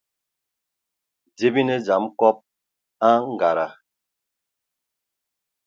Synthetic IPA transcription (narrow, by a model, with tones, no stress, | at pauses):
d͡ʒe˦bi˦ne˦d͡ʒa˨˦mkɔ˦p̚ | a˦ŋ̩˦˨ɡa˨ɾa˨